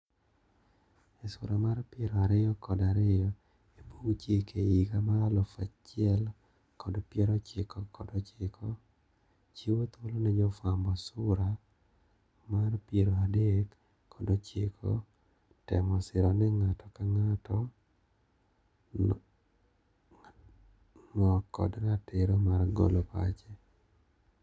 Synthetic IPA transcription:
esʊɾamarpjeɾɔaɾɪjɔkɔdaɾɪjɔ | ebuɡt͡ʃekeiɡamaalɔfat͡ʃɪɛl | kɔdpjɛɾɔt͡ʃɪkɔkɔdɔt͡ʃɪkʰɔ | t͡ʃiwot̪olonɛd͡ʒɔfambɔsʊɾa | marpjeɾoadekː | ɔdɔt͡ʃɪkʰo̰ | tɛmɔsɪɾɔnɛŋatʰɔkaŋatɔ | ŋɔkːɔ̰dnatɪɾomarɡo̰lopa̰t͡ʃe

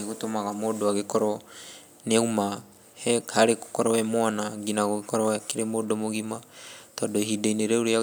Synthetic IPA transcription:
eɣutomaɣamodoaɣikɔɾɔ | neuma | hɛhaɾeku̥kɔɾɔɛmwanaɡinaɣoɣikɔɾɔakiɾemodomoɣimatɔdoɦideineɾeuɾea

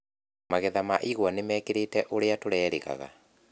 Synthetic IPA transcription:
maɣɛðamaʔiɣwanemɛːkeɾetɛʔoɾeatoɾɛːɾeɣa̰ɣa̰

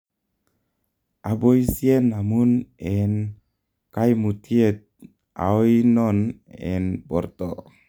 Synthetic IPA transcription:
ʔabojsienːamunɛn | kajmut̪ʰiet̪̚ | ʔa̰wjnɔnɛ̰nbɔrt̪ɔ̰

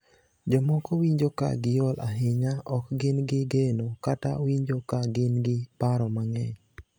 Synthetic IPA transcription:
d͡ʒɔmɔkowiɲd͡ʒoka̰ɡɪjɔlʔa̰ɦɪɲaɔkɡɪnɡɪɡenokata̰wiɲd͡ʒokaɡɪnɡɪpaɾɔmaŋɛɲ

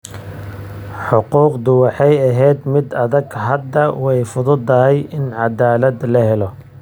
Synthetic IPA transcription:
ħʊquːqd̪ʊwɑħɑjɐɦɛːd̪mɪd̪ɐðɐɡɦɐd̪ːɐwɛjfʊðʊd̪ɐɦɛjɪnʕɑd̪aːlɐd̪lɐɦɛlɔ

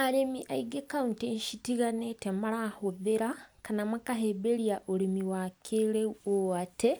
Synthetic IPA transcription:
alemiʔaiɡekaunteɲʃitiɣanetemalahoðeɾakanamakaɦebeɾiaʔolimiwakʰeleuoate

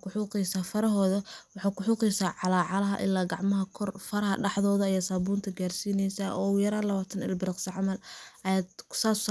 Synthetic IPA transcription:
kʰʊħuːqɛjsaːfɐɾɐɦɔːðɐwɑħɑːkʰʊħuːqɛjsaːʕɑlaːʕɑlɐɦɐ̰ʔɪ̰lːaːɡɑʕmɐɦɐkʰɔrfɐɾɐhɐ̰ɖɑħðɔːðɐijɔsaːbuːnt̪ʰɐɡaːrsiːnɛjsaʔɔːjɐɾaːlɐβaːt̪ʰɐnɪ̰lbɪɾɪqsɐʕɑmɐlɐjaːd̪kʰʊ̥saːs

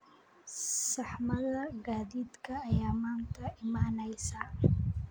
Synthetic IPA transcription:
sɑħmɐðɐɡaːðiːd̪kʰɐːjaːmaːnt̪ʰɐʔɪmaːnɛjsaː

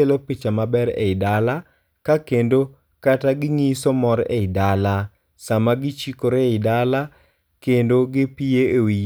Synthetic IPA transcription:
elopit͡ʃamabɛɾḛɪdala | kakendo | kataɡɪŋisɔmɔɾḛɪdala | samaɡɪt͡ʃikoɾeɪdala | kendoɡɪpieewi

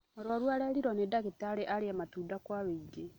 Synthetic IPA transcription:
ɔɾwɔɾwaɾɛɾiɾɔnedaɣeteaɾeʔaɾeamatuːdakwaβeid͡ʒe

